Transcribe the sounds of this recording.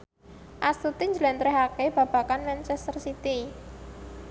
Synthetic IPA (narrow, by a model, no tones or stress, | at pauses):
ʔast̪ut̪iɲd͡ʒəlɛnt̪ɾɛɦakeb̥a̤b̥ä̤kanmɛnt͡ʃɛst̪ərsit̪i